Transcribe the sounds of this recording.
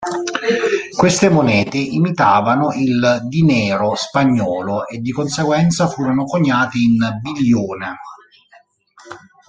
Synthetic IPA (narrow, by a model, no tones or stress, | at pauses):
kwest̪ɪmonɛːt̪ɪʔimit̪aːvanʊʔild̪inɛːɾospaɲːɔːloʔed̪ːikonseɡwɛnt̪safuːɾonʊkoɲːaːt̪ɪinbilːoːne